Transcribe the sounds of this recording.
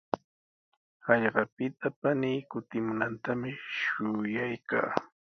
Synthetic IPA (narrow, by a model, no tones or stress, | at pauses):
ɑʎɢɑpɪt̪apaniːkʊt̪ɪmʊnant̪amɪʃʊjajka̰ː